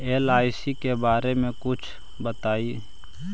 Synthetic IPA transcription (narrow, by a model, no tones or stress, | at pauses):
eːlaːɪsikebaːɾemẽkʊt͡ʃʰ | bət̪aːi